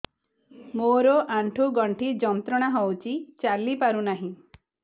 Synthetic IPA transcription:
moɾɔʔaɳʈʰuɡɔɳʈʰid͡ʒɔnt̪ɾɔɽ̃aɦɔwt͡ʃʰit͡ʃalipaɾunaɦĩ

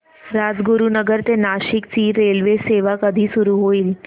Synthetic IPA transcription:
ɾad͡zɡuɾunəɡəɾt̪enaɕikt͡siːɾelʋeseʋakəd̪ʱiːsuɾuɦoiːl

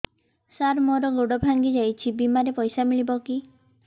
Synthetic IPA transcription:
saɾmɔɾɔɡoɽɔbʱaŋɡid͡ʒajt͡ʃʰibimaɾepɔjsamiɭibɔki

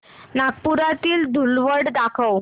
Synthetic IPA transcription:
nak̚puɾat̪iːld̪ʱulʋəɽd̪akʰəw

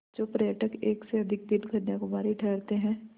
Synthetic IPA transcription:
d͡ʒoːpɾɛəʈəkeːkseɐd̪ʱɪk̚d̪ɪnɡʱɐnjakʊmaːɾiʈʰɛːɾt̪eɦɛ̃ː

